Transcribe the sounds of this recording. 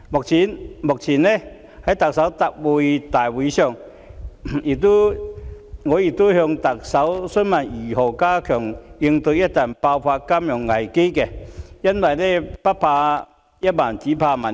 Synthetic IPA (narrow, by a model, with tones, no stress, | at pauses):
mo˨k̚t͡ɕʰi˨˦nmo˨k̚t͡ɕʰi˨˩ne˧˩ | ha˨˦jt̪a˨k̚sa˨˦˥wt̪a˧k̚bu˧˩jt̪aː˨˩jwi˨˧ɕɔ˥˧˩ŋ | i˨˩t̪u˦ | ŋɔː˨˧˦i˨˩t̪u˦hjɔ˧ŋt̪a˨˩k̚sa˨˦wsʊ˦˥nma˨˩ni˨˩ɦɔ˨˩kaː˦kʰɔ˨˩ŋi˧ŋt̪u˧ja˦˥t̚t̪a˨˩npa˧wpʰaː˧ka˥mjɔ˨˩ŋːa˨˩jke˥˦ke˧ja˥nwa˨jle˥˧˩pa˦˥pʰaː˧ | ja˦˥t̚ma˨˩nt͡ɕi˨˦pʰaː˧ma˨˩n